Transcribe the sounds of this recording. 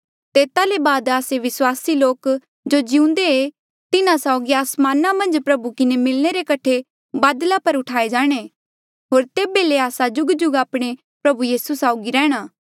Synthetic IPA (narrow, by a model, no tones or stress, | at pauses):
t̪eːt̪alebaːd̪aːseʋɪswaːsiloːk | d͡ʒod͡ʒɪũnd̪ee | t̪ɪnãsaʊɡiaːsmaːnamɐ̃nd͡ʒpɾɐbukɪnemɪlñeɾekɐʈʰe | baːd̪lapɐɾʊʈʰaːed͡ʒaːɽ̃e | ɦoːɾt̪eːbeleaːsad͡ʒʊɡd͡ʒʊɡaːpɽ̃e | pɾɐbujiːsusaːʊɡiɾɛ̃ːɽ̃aː